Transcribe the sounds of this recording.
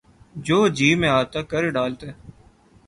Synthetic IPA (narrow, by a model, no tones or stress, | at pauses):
d͡ʒoːd͡ʒiːmẽaːt̪aːkəɾeɖaːlt̪eː